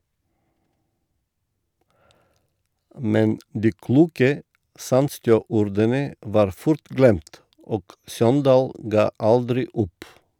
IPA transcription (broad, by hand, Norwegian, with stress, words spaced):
ˈmɛn ˈdiː ˈkluːkə ˈsɑndstjøː ˈuːɾdənə ˈʋɑːɾ ˈfʊɾt ˈɡlɛmt ˈoːɡ ˈsɔndɑːl ˈɡɑː ˈɑldɾɪ ˈʊp